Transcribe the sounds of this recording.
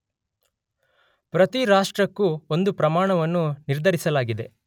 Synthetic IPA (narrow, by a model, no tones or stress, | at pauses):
pɾɐt̪iɾaːʂʈɾɐkːuond̪upɾɐmaːɳɐʋɐnːuniɾd̪ʱɐɾisɐlaːɡid̪e̞̰